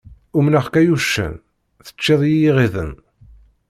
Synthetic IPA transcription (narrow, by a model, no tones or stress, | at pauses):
ʊmnəχkæjuʃːæ̰n | θə̥t͡ʃːeðˤjijiʁiðə̰n